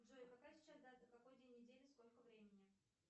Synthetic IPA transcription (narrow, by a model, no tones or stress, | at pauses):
ʐoɪpakasʲɪ̥t͡ɕasd̪azəkɐkojd̪ʲenʲnːʲɪdʲelʲɪsko̞lʲkəvɾʲemʲɪnʲɪ